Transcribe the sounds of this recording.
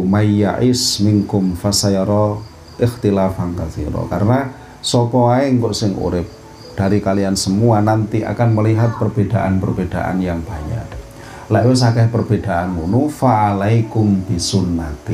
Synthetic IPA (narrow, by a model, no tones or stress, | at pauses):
maja̰ʔɪsmɪŋkʊmfasajɾɔ | ʔɪxt̪ilafaŋkaθḭɾɔ̰kaɾəna | sɔpɔaɪŋkɔʔsɪŋṵɾɪp̚ | d̥aɾikaliansəmuanant̪iʔa̰kanməliɦat̪̚pərbed̥aʔanpərbed̥a̰ʔa̰njaŋb̥aɲa̰d | lɛʔwɪs̬akɛhpərb̥ed̥aʔanunufaʔːlajkʊmb̥isunːat̪i